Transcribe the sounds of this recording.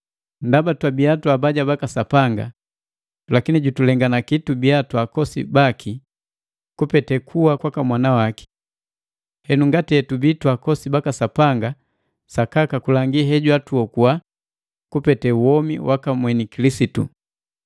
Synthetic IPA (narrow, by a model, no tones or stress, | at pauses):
ndabatwabiatwabaɟabakasapaŋɡa̰ | lakiniɟutulɛŋɡanakitubiatwakɔsḭbakʰi | kupɛtɛkʰuwakwakamwanawaki̥ | hɛnuŋɡatiɛtubitwakɔsibakasapaŋɡa | sakakakulaŋɡiɦɛɟwatuɔkua | kupɛtɛuwɔmiwʔakamwɛnikilisitṵ